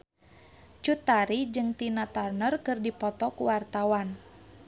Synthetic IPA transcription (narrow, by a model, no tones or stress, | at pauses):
t͡ʃut̪aɾid͡ʒɨŋt̪inat̪arnərkɨrdipɔt̪ɔkuwart̪awan